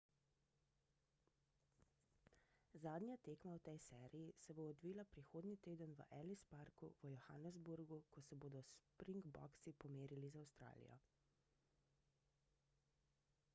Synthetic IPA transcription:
zaːd̪nʲjat̪eːkmawt̪ɛjsɛːɾijisɛboːd̪ʋiːlapɾixoːd̪nit̪eːd̪ənʋə̰ʔɛlispaɾkuʋəjɔxanɛzbuɾɡukɔsɛboːd̪ɔspɾiŋɡbɔ̰ksipɔmeːɾilizawst̪ɾa̰ːlḭjɔ̰

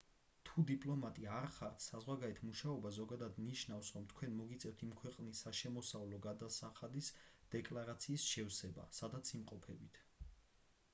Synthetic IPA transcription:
t̪ʰud̪ipʼlˠɔmat̪ʼiaɾχaɾt̪ʰsazʁwaɡaɾɛt̪ʰmuʃaɔbazɔɡad̪ad̪niʃnafsɾɔmt̪ʰkʰwɛnmɔɡit̪sʼɛft̪ʰimkʰwɛqʼnisːaʃɛmɔsavlɔɡad̪asaχad̪isd̪̥ɛkʼlˠaɾat̪sʰiːsʃɛwsɛba̰sad̪at̪sʰimqʼɔpʰɛbit̪ʰ

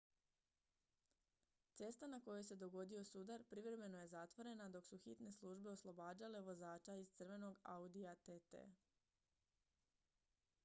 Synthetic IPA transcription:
t̪se̞st̪anako̞jojse̞d̪o̞ɡo̞d̪io̞sud̪aɾpɾivɾe̞me̞no̞je̞zat̪ʋo̞ɾe̞nad̪o̞ksuxit̪ne̞slˠuʒbe̞o̞slˠo̞baːd͡ʑale̞ʋo̞zaːt͡ʃaizt̪sɨrʋe̞no̞ɡaud̪iat̪et̪ḛ

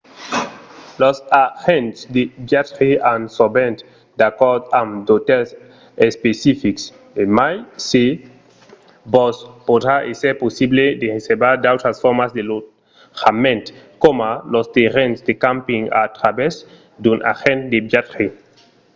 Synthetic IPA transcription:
losaxent̪sd̪ebjat̪ʁiansobẽnt̪ | d̪akɔɾd̪amd̪ot̪ɛs | espesifiks | emajsi | bospod̪ɾaʔeseɾposibled̪eʁesebaɾd̪awt̪ɾasfɔɾmazd̪elo | xamẽnt̪komalost̪eʁensd̪ekampiŋa̰t̪ɾabɛz | d̪unʔa̰xẽnt̪d̪ebjat̪ɾi

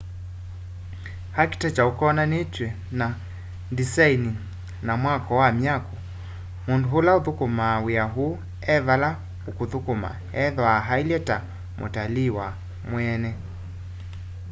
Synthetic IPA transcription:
haki̥tat͡ʃaukɔnanetwɛ | na | disaini | namwakɔwamjakɔ | munduɦulauðukumawiaɦu | ɛvala | ukuðukuma̰ | ɛðɔaɦailɛta | mʔo̰taliwa | mwɛnɛ

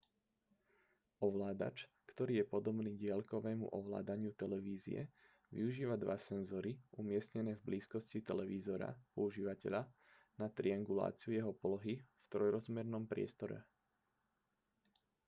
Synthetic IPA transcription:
ɔʋlaːd̪a̰t͡ʃ | kt̪ɔɾiːjɛpɔd̪ɔbniːɟɪalkɔʋɛːmṵʔɔʋla̰ːd̪aɲɪut̪ɛlɛʋiːzḭjɛ̰ | ʋḭuʒiːʋad̪ʋa̰sɛnzɔɾiʔumɪɛsɲɛnɛːvbliːskɔscit̪ɛlɛʋiːzɔɾa̰pɔuʒiːʋacɛʎa | nat̪ɾiaŋɡula̰ːt͡siujɛɦɔpɔlɔɦift̪ɾɔjɾɔzmɛɾnɔmpɾɪɛ̰st̪ɔɾɛ̰

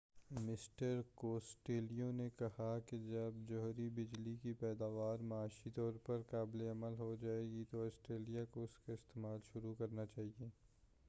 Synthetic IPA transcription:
mɪsʈəɾkoːsʈeːlijõnekɐhaked͡ʒɐbd͡ʒɔɦɾibɪd͡ʒlikipɛːd̪aːʋaːɾmɐaːʃit̪ɔːɾpɐɾkaːbleɐməlɦod͡ʒaːeːɡit̪oɔːsʈɾeːlijakoʊskeɪst̪eːmaːlʃʊɾukɐɾnat͡ʃaːɦieː

